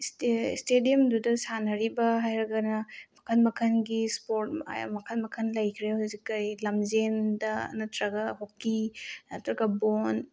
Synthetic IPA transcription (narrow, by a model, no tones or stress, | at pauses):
ststediɐmdudɐsanɐɾibɐɦajɾɐɡɐnɐmɐkʰɐnmɐkʰɐnɡispoɾta̰ja̰mɐkʰɐnmɐkʰɐnlɐjkʰɾehuzikːɐjlamzendɐ̰nɐtɾɐɡaɦokːiɐtɾɐɡabon